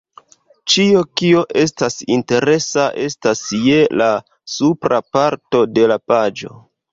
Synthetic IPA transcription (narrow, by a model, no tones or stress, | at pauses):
t͡ʃio̞kio̞ʔe̞stasinte̞ɾe̞saʔe̞stasje̞la | supɾapaɾto̞de̞lapad͡ʒo̞̰